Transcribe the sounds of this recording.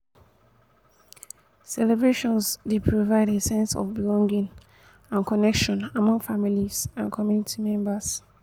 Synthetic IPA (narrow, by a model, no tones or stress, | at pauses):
sɛlebɹeʃɔ̃nsdepʰɹovaɪdesɛ̃nsɔ̰fbilɔ̃ŋɡĩŋ | ãnkʰɔnɛkʃɔ̃namɔ̃ŋfamilizãnkʰɔmjunitʰimɛ̃mbas